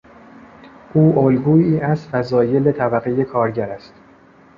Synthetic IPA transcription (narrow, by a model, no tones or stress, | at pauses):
ʔuːʔolɡuːiːʔæst̪fæzɒːje̞let̪ʰæbæɣeje̞kʰɒːɾɟæɾæst̪